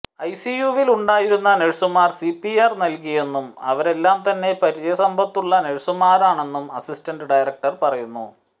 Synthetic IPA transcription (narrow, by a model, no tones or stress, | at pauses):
ɐjsijuʋiluɳɖaːjiɾunːɐneɻusumaːrsipːiarnɐlkije̞nːumɐ̰ʋɐɾe̞lːaːmt̪ɐnːe̞pɐɾit͡ɕɐjɐsɐmbʱɐt̪ːuɭːɐneɻsumaːɾaːɳe̞nːumɐsistɐnɖɨɖɐjrɐk̚ʈɐrpɐrɐjunːṵ